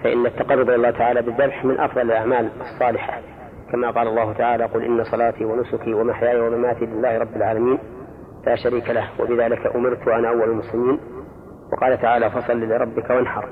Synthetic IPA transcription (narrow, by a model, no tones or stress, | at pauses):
faʔɪ̰nːat̪ːɑqɑrːʊd̪ˤjalːɑːt̪ʰaʕaːlaːbɪd̪ːɑbħmɪnʔɑ̰fðˤɑlɪlʔaʕmaːlɨsˤːɑːlɪħa | kamaqɑːlɑlˤːɑːhʊt̪aʕaːlaquːlʔɪnːasˤɑlaːt̪iwanʊsʊkiwamaħjaːʔawamamaːt̪ilɪlːaːhɾˤɑbːɪlʕaːlamiːn | laːʃaɾiːkalahwa̰bɪðaːlɪkaʔʊmɪɾt̪waʔanaːʔawːalalmʊslɪmiːn | wɑ̰qɑːlat̪aʕaːlafɑsˤɑlːilɪɾˤɑbːɪkawanħɑ̰ɾˤ